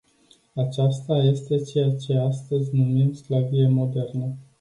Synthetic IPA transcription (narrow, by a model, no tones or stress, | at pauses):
at͡ʃast̪aje̞st̪e̞t͡ʃe̞jat͡ʃe̞ast̪əzʲnumimsklavijemo̞d̪e̞rnə